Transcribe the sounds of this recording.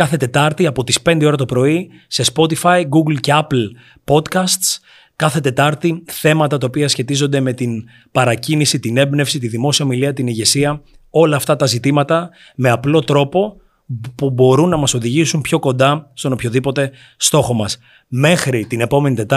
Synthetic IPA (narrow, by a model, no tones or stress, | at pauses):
kɐθe̞t̪e̞t̪ɐɾt̪iɐpo̞t̪ispe̞nd̪eo̞ɾɐst̪o̞pɾo̞i | se̞spo̞t̪ifɐjɡuɡlce̞ɐpl | po̞t̪kɐst̪s | kɐθe̞t̪e̞t̪ɐɾt̪iθe̞mɐt̪ɐt̪ɐopiɐsçe̞t̪izo̞nd̪e̞me̞t̪in | pɐɾɐcinisit̪ine̞bne̞fsit̪iðimo̞siɐomiliɐt̪iniʝe̞siɐo̞lɐːft̪ɐt̪ɐzit̪imɐt̪ɐ | me̞ɐplo̞t̪ɾo̞po̞ | pubo̞ɾunːɐmɐso̞ðiʝisumpço̞ko̞nd̪ɐst̪o̞no̞pço̞ðipo̞t̪e̞ | st̪o̞xo̞mɐs | me̞xɾit̪ine̞po̞me̞nit̪e̞t̪